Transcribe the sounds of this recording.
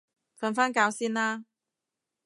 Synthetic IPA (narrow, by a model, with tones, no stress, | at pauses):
fə˨˧nfaː˥nkaː˨˧wsiː˥naː˦˥